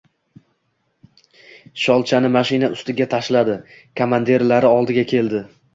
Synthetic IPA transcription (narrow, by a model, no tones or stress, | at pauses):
ʃɒlˠt͡ʃʰanɪmaʃɪnaʊst̪ɪɡʲat̪ʰaʃlad̪ɪ | kʰomand̪e̞ɾlaɾɪɒlˠd̪ɪɡʲakʲʰe̞ld̪ɪ